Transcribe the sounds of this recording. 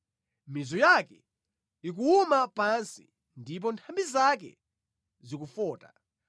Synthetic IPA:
mizɔjakɛ | ik̬uumapansḭ | ndip̬ɔntʰambizak̬ɛ̰ | zikufɔːta

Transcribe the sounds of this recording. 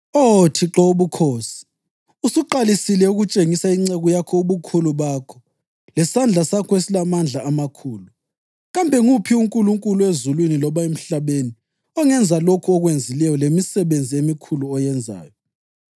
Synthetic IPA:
otʰiǁɔuβukʰoːsi̥ | usuǃalisilɛuɣut͡ʃʼeŋisaiŋ͡ǀeɣujakʰɔuβukʰuluβakʰɔ̥ | lɛsand͡ɮʱasakʰɔesilamand͡ɮʱaːmakʰuːlu | ɣambʱɛŋupʰiuŋkʼuluŋkʼuluezulwinilɔβaem̩ɬaβeni | ɔŋɛnd͡zʱalokʰuɔɣwend͡zʱilɛjɔlemisɛβend͡zʱiemikʰuluɔjɛnd͡zʱa̰ːjɔ

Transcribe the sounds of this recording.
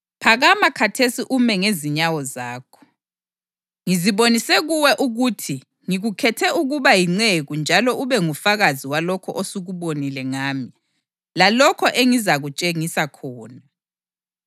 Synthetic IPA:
pʰaɣamakʰatʰesiʔumɛŋeziɲawɔzaːkʰɔ̥ | ŋiziβonisɛɣuwɛʔuɣutʰi | ŋiɣukʰɛtʰɛʔuɣuβajiŋ͡ǀeɣund͡ʒʱalɔʔuβɛŋufaɣaziwalɔkʰɔʔosuɣuβonilɛŋaːmi | lalɔkʰɔʔeŋizaɣut͡ʃʼeŋisakʰɔːna

